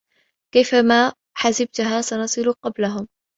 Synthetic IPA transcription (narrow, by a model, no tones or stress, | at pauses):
kajfamaː | ħazab̚t̪ɦaːsanɑsˤɨluqɑblaɦʊm